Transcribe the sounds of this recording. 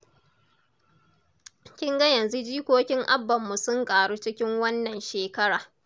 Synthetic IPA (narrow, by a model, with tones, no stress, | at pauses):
kʲɪ˦ŋɡa˦jɐ˨nzu˦d͡ʒiː˦kʷoː˦kʲɪ˦ŋʔa˦bːɐ˨mːu˨sʊ˦ŋkʼaː˨ɽuː˦t͡ʃɪ˦kʲɪ˦ŋwɐ˦nːɐ˨nʃeː˨kɐ˦ɽaː˨